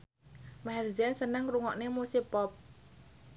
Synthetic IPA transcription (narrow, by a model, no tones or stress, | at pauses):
maɦɛrzɛnsənəŋruŋɔʔnemusepɔp̚